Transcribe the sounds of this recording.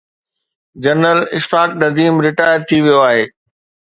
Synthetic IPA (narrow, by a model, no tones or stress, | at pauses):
d͡ʑɐɾnəlɪʃfaːk̚nɐd̪iːmɾɪʈaːɪəɾt̪ʰiʋijoaːɦeː